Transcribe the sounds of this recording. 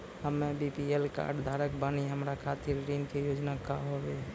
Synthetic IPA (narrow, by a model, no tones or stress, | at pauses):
həmebipielka̰ːɾɖd̪ʱaːɾək̚baːniɦəmɾakʰat̪ɪɾɾinkejoːd͡ʒnakaɦobe